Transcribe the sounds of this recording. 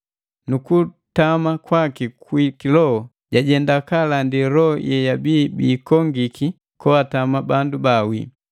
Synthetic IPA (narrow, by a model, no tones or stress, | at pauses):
nuku | tamakwakikwikilɔhɔ | ɟaɟɛndakalandiɾɔɔjɛjabiːbiːkɔŋɡiki | kɔatamabandubawḭ